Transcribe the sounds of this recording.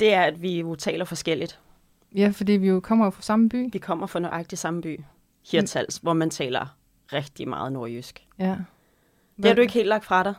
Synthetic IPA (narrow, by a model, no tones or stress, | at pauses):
d̥e̝æɐæd̥ʋijo̝t͡sʰɛ̰ːlɐfɒ̽sɡ̥el̰id̥ | jæfɒd̥ḭːʋijo̝kʰɒ̽m̰ɐjofɑsɑ̈məb̥y̰ːʋikʰɒ̽m̰ɐfɑ̽nɒʔɑ̈ɡ̥̚d̥isɑ̈məb̥y̰ː | hiɐ̰t͡sʰæl̰sʋɒmænt͡sʰɛ̰ːlɐ | ʁɛɡ̥̚d̥imɑ̈ːð̞̩ˠno̝ɐjysɡ̥ | d̥ehɑdue̝ɡ̥he̝̰ldlɑ̈ɡ̥̚d̥fʁɑ̈ɾɑ̈ɪ